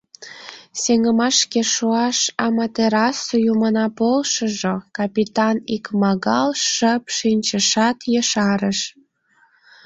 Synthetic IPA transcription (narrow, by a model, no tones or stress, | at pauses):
seŋəmɑʃkeʃuɑʃɑmɑt̪eɾɑsujumənɑpolʃəʒokɑpʲit̪ɑnikmɑɣɑlʃəpʃinʲt͡ɕəʃɑt̪jəʃɑɾəʃ